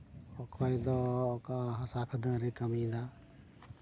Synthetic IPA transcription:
ɔkʰɔjd̪ɔːkaɦɐsakʰəd̪ãɾikəmĩd̪a

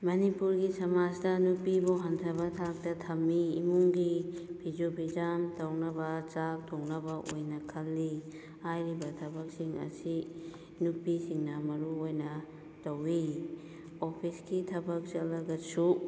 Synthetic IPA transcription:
mɐnipuɾɡisɐmad͡ʒdɐnupibuɦɐntʰɐbɐtʰak̚tɐtʰɐmːiːmuŋɡibʰʱid͡ʒobid͡ʒamtɐwnɐbɐt͡ʃak̚tʰoŋnɐbɐʔojnɐkʰɐlːi | ajɾibɐtʰɐbɐk̚siŋɐ̰si | nupisiŋnɐmɐɾuojnɐ | tɐwi | opʰisɡitʰɐbɐk̚salɐɡɐsu

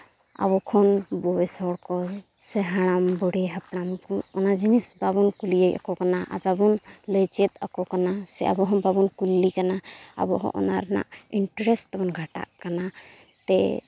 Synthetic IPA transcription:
a̰bɔkʰɔnbɔɛsɔɽkɔ | sɛɦaɽ̃ambɔɽɛɦapnamkɔɔnad͡ʒinisbabɔnkulijəjʔa̰kɔkanaʔa̰babɔnləjt͡ʃɛt̪̚akɔkanasɛ̰ʔa̰bɔɦɔmbabɔnkulːikanaa̰bɔɦɔ̰̃ʔɔ̰naɾɛna̰ʔiɳʈɾɛst̪ɔbɔnɡʱaʈa̰ʔkana | t̪ɛ

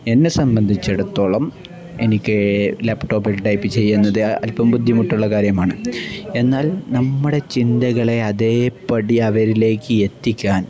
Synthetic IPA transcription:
e̞nːe̞sɐmbɐnd̪ʱit͡ɕːe̞ɽut̪ːo̞ːɭɐm | e̞̰nikʲːɨlepʈo̞ːbilʈɐjpːɨt͡ɕe̞jːunːɐðɨɐ̰lpɐmbud̪ʱjɐmuʈːuɭːɐkaːɾjɐmaːɳɨe̞nːaːlnɐmːɨɽe̞t͡ɕind̪ɐɣɐɭe̞ɐðe̞ːpːɐɽiɐʋɐɾile̞ːkːɨet̪ːikʲːaːn

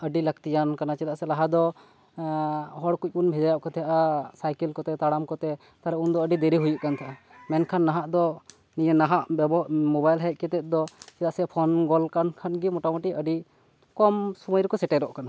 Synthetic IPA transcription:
əɖilək̚t̪ijankanat͡ʃɛt̪aʔsɛlaɦad̪ɔ | ɦɔɽkuc̚ˀkunbʱɛd͡ʒajaʔkɔt̪ʰɛjaʔasajkɛlkɔt̪ɛt̪aɽamkɔt̪ɛ | t̪aɾɛund̪ɔəɖid̪eɾiɦujuʔkant̪ʰaʔa | mɛnkʰanːaɦaʔd̪ɔ | nijenaɦaʔbɛbɔmobajlɦɛc̚ˀkɛt̪ɛt̪̚ˀd̪ɔt͡ʃɛt̪aʔsɛpʰɔnɡɔlkankʰanɡimɔʈamɔʈiəɖi | kɔmsuməjɾɔkɔsɛʈɛɾɔʔkana

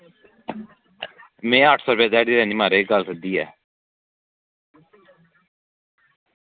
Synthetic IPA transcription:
mẽːəʈʰsɔːɾpaːd̪aːɽiːɾɛːniːmaːɾeːɡəlsəd̪iːɛː

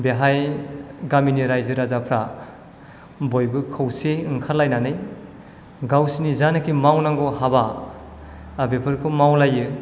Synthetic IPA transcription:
beɦajɡaminiɾajzɯɾazapʰɾa | bojbɯkʰɯwseɯŋkʰalːajnanɯj | ɡawsinizanɯkʰimawnaŋɡɔhaba | bepʰɯɾkʰɯmawlajɯ

